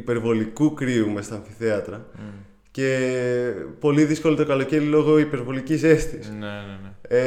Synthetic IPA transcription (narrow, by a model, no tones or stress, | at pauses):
ipe̞ɾvo̞likukɾiume̞st̪oɐɱfi̥θeɐt̪ɾɐ | ce̞ | po̞liðisko̞lit̪okɐlo̞ce̞ɾilo̞ɣo̞ipe̞ɾvo̞licise̞st̪isn | e